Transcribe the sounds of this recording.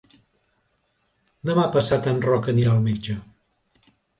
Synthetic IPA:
nomapəsat̪anrɔkənialˠmid͡ʒə

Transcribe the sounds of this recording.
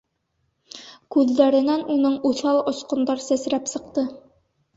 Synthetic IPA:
kʉðːæɾɘ̆nænunɤɴuθɑlˠŏsqŏnd̪ɑɾsæsɾæpsɤ̆qt̪ɤ

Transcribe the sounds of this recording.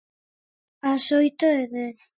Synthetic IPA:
asojt̪oeðeθ

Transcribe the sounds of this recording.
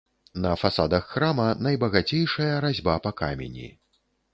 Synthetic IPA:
nɐfasad̪ɐxːɾamɐnɐjbɐɣat͡sʲejʂɐjɐɾazʲbapɐka̰mʲḛnʲḭ

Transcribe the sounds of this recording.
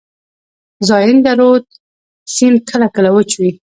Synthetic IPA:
zɑjɪnd̪aɾod̪̚ | sinkʰəlakəlawət͡ʃwi

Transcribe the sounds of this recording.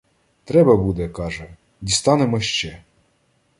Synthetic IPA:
t̪ɾɛbɐbud̪ɛkɑʒɛ | dʲist̪ɑnemɔʃt͡ʃɛ

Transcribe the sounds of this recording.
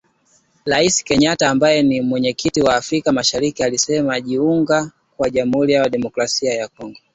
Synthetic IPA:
ɾaisi̥kɛɲataːmbajɛnimwɛɲɛkʰitiwaːfɾikamaʃaɾikialisɛmaʄiuŋɡa | kwaʄam̩uhuɾijawaɗɛmɔkɾasiajakɔŋɡɔ

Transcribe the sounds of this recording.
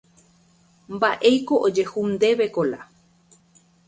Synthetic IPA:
mbaʔejkoʔod͡ʒe̞humd̪e̞βekola̰

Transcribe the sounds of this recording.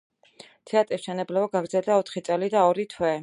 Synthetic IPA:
t̪ʰɛat̪ʼɾisʃɛnɛblɛbaɡaɡɾd̪zɛlˠd̪aɔt̪ʰχit̪sʼɛlid̪aɔɾit̪ʰwɛ

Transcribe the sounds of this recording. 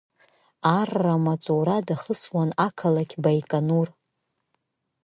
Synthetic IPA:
arːamat͡sʼowɾadaχəswanakʰalakʲʰbajkʼanur

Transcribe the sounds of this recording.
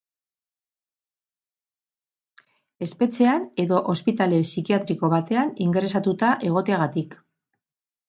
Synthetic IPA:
e̞spe̞t͡se̞ane̞ðo̞ʔospit̪ale̞sikiat̪ɾiko̞βat̪e̞aniŋɡe̞ɾe̞sat̪ut̪aʔe̞ɣ̞o̞t̪e̞aɣ̞at̪ik

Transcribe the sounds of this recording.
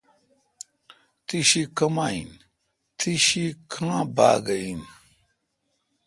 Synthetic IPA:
tʰiʃikəmaḭn | tʰiʃikʰaaba̰ɡəin

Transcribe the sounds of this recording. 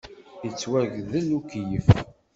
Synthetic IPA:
ət͡sːwæʝðəlukjəf

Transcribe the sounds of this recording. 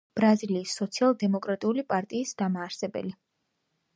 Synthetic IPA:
b̥ɾaziliːsːɔt̪sʰialˠd̪ɛmɔkʼɾat̪ʼiulipʼaɾt̪ʼiːsd̪̥amaːɾsɛbɛ̰li

